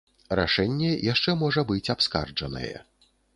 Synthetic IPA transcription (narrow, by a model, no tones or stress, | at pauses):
ra̰ʂɛnʲːɛjaʂt͡ʂɛmɔʐɐbɨt͡sʲapska̰rd͡ʐɐnɐ̰jɛ̰